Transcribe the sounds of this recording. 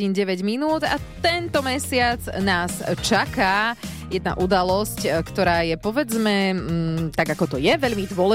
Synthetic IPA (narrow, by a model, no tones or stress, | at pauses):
iːnɟɛʋɛɟminuːd̪a̰t̪ɛnt̪ɔmɛsɪad͡znaːst͡ʃaka | jɛd̪na̰ʔud̪alɔsckt̪ɔɾaːjɛpɔʋɛd͡zmɛ | t̪aɡakɔt̪ɔjɛʋɛʎmid̪ʋʊɔlɛ